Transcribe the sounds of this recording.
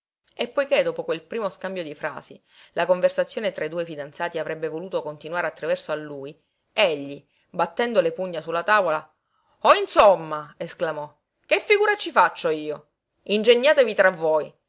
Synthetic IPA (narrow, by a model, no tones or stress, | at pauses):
epːojked̪oːpokwelpɾiːmoskambjod̪ifɾa̰ːsḭ | lakoɱversat̪sːjoːnet̪ɾaid̪uːefid̪ant̪saːt̪iavɾɛbːevoluːt̪okont̪inwaːɾeat̪ːɾavɛrsoalːuːj | eʎːi | bat̪ːɛnd̪olepuɲːasulːat̪aːvola | oinsomːaesklamɔ | k̟efːiɡuːɾat͡ʃifat͡ʃːoiːo | ind͡ʒeɲːaːt̪evit̪ɾavːoj